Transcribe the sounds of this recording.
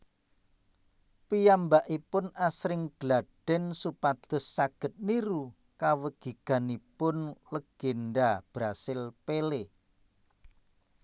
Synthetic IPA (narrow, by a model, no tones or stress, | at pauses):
pijambaʔipʊnasɾɪŋɡ̥laɖ̥ɛ̤nsupad̪̥ʊ̤sːaɡ̥ə̤t̪̚niɾu | kawəɡ̥i̤ɡ̥a̤nipʊnləɡ̥enɖab̥ɾasɪlpele